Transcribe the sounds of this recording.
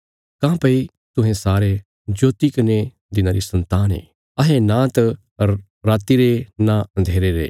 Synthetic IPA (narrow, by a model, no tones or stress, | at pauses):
kãːpɐi | t̪ʊ̃ɦẽsaːɾe | d͡ʒoːt̪ikɐne | d̪ɪnaːɾisɐ̃nt̪aːnḛː | ɐɦẽnãːt̪ː | aːt̪iɾenãɐ̃nd̪ʱeːɾeɾḛː